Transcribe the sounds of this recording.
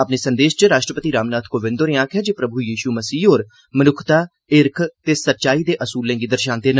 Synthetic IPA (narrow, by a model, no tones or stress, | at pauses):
əpneːsənd̪eːʃt͡ʃɾaːʃʈɾəpət̪iːɾaːmnaːt̪ʰkoːʋɪ̃nd̪oɾɪãːkʰaːd͡ʒeːpɾəbujiːʃuːməsiːɦoːɾ | mənʊkʰt̪aː | ɪɾkʰt̪eːsətːʃaːiːd̪eːʔəsuːlẽːɡiːd̪əɾʃãːnt̪eːn